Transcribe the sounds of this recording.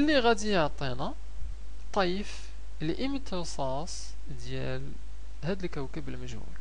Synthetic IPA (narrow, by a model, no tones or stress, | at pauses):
ʔəlːiɣæd̪ijoʕt̪ˤinæ | t̪ˤːɑjəf | lʔəmət̪ʰəɾsˤɑ | s | d̪jæl | hæd̪əlkəwkəbəlməʒhṵl